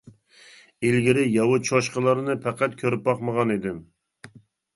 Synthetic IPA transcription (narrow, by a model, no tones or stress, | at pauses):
ilɡʲiɾɪjɑwut͡ʃʰoʃqəlˠɨɾɨnɨpʰɛqæt̪̚kʲʰøɾɪp̚bɑqməʁɑnid̪ɪm